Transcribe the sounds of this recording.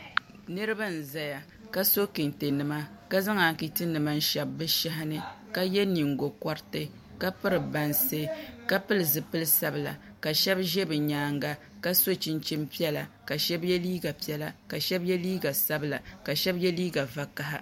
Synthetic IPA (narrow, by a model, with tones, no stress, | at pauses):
nɨ˦ɾɨ˦ba˦n̩˨za˨ja˨ | ka˦so˦kɨ˨nte˨nɨ˨ma˦ | ka˦za˦ŋa˨ki˨tɨ˦nɨ˨ma˦n̩˦ʃɛ˨bːɨ˦ʃa˦ɦɪ˦nɨ˨ka˦jɛ˦ni˨ŋ˨ɡo˨kɔ˦ɾtɨ˦ | ka˦pɨ˦ɾɨ˨ba˨nse˦ka˦pɨ˦lɨ˨zɨ˨pɨ˦lɨ˦sa˦bɨ˨la̰˨ | ka˨ʃɛ˦bʒɛ˦bɨ˨ɲaː˨˦ŋɡa˦ | ka˦so˦t͡ʃɪ˦nt͡ʃi˦mpi˦ɛ˦la˨ka˨ʃɛ˦bjɛ˦liː˦ɡa˨pi˦ɛ˦la˨ka˨ʃɛ˦bjɛ˦liː˦ɡa˨sa˦bɨ˨la˨ka˨ʃɛ˦bjɛ˦liː˦ɡa˨va˨ka˦ɦa̰˦